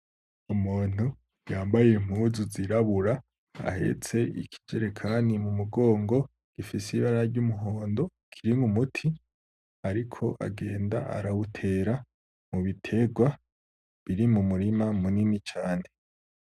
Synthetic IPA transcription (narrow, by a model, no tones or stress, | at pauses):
umuːn̥u | jaːmbajem̥huzuziɾaβuɾa | a̰he̞̰t͡se̞ḭkʰi̥d͡ʒeɾekʰaːnimumuɡo̞ːŋɡo̞ | ɡ̥ifisiβaɾaɾɟumuɦoːndo̞ | kʰiɾiŋɡumutʰi | aɾikʰo̞ʔa̰ɡe̞ːnda̰ʔa̰ɾawutʰe̞ɾa | muβitʰe̞ɡwa | βiɾimumuɾimamuninit͡ʃaːne̞